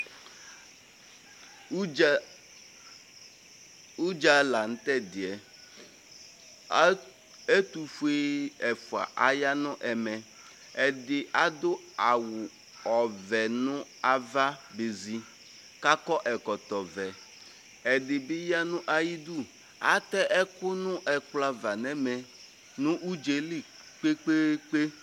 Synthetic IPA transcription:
u˦d͡ʒa˦la˨n̩˦tɛ˦dɪ˨ɛ˨ | e˦tu˨fu˦e˦ɛ˨fʊ˨a̰˨ʔa˦ja˦nʊ̃˦ʔɛ˨mɛ˨ | ɛ˨dɪ˨ʔa˦dʊ˦ | a˨wʊ˨ | ɔ˨vɛ˨nʊ̃˦a˦va˦be˨zi˨ | ka˦kɔ˦ʔɛ˨kɔ˨t̪ɔ˨vɛ˨ | ɛ˨dɪ˨bɪ˦ja˦nʊ̃˦ʔa˦ji˦du˦˨ | a˨t̪ɛ˦ʔɛ˦kʊ˦nʊ̃˦ʔɛ˨kla˦va˨nɛ˦mɛ˨ | nʊ̃˦ʔu˦d͡ʒe˨li˦ | k͡pe˦k͡pe˦k͡pe˦

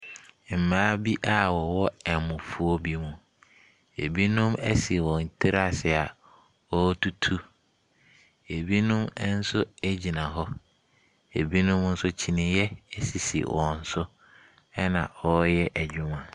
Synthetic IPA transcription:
m̩˨mãː˦bi˦ʔa˨wɔ˨wɔ˦ɛ˨mʊ̃˨fu˨ɔ˦bi˦mũ˦ | ḛ˨bi˦nʊ̃˦mæ˦si˨wɔ̃˨n̩˨tʰɪ˦ɾa˦˨sɛ˨a˨ | ɔ˦tʰu˦tʰu˦ | e˨bi˦nʊ̃˦m˦n̩˦sʊ˦e˦d͡ʑi˨nã˨ɦɔ˦ | e˨bi˦nʊ̃˦m˦n̩˦sʊ˦t͡ɕʰi˨nɪ̃˨jɛ˦˨si˨sḭ˨wɔ̃˨n̩˦sʊ˦ | ɛ˦nã̰˨ɔ˦jɛ˦ʔæ˨d͡ʑᶣʊ˦mã˨

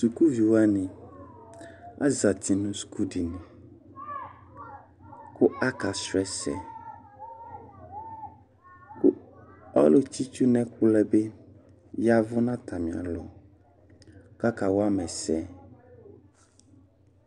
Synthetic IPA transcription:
su˨ku˦vi˨wa˦nĩ˨ | a̰˦za˨t̪ʰi˨nũ˨su̥˨kʰu˦di˨nĩ˨ | kʊ˦a˦ka˨sɾɛ˨sɛ̰˨ | kʊ˦ɔ˦lo˦t͡ʃi˦t͡ʃu˦nɛ̃˦kʊ˦lɛ˦be˦ | ja˦vʊ˦nã˦t̪ʰa˨mĩ˨a̰˨lɔ̰˨ | ka˦ka˨wo˦a˦mɛ̃˨sɛ˨

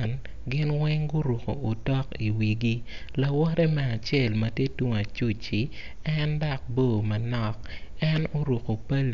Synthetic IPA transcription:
n | ɡɪ˦nwɛ˦ŋɡʊ˦ɾu˨ko̰˨ʔo˨tɔ˦ki˨wi˨ɡi˦la˨wɔ˦ɾɛ˦mɛ˨a˨t͡ʃjɛ˨lmɐ˨tje˦twu˦ŋa˨t͡ʃu˦t͡ʃi˨ | ɛ˦nda˦k̚boː˦˨mɐ˨nɔ˦k̚ɛ˦no˦ɾu˨ko˨pa˦l

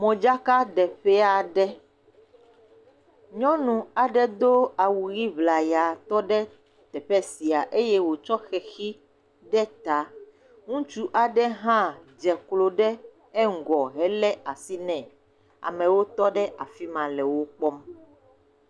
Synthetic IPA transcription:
mɔ̃˨d͡ʒa˦ka˦ɖɛ˨ɸɛ˦a˨ɖɛ˦ | ɲɔ̃˦nũ˨a˨ɖɛ˦d̪o˦a˨wu˨ɣi˦vla˨ja˨t̪ɔ˦ɖɛ˦ | t̪ɛ˨ɸɛ˦si˨a˨ʔe˦jɛ˦wo˨t͡ʃɔ˦xɛ˨xi˦ | ɖɛ˦t̪a˨ | ŋũ˦t͡ʃu˦ʔa˨ɖɛ˦ɦã˦d͡ʒɛ˨klo˨ɖɛ˦ | ɛ˦ŋ̩˨ɡɔ˨ɦɛ˦lɛ˦a˨si˦nɛ̃˨ | a̰˨mɛ̃˨wo˦t̪ɔ˦ɖɛ˦ʔa˨fi˦mã˨lɛ˨wo˦k͡pɔ˦m

